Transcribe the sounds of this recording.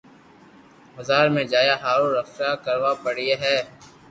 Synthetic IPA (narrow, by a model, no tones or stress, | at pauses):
bəzaːɾmẽːd͡ʒaːjaːɦaːɾuɾəffjaːkəɾʋaːpəɽieɦɛː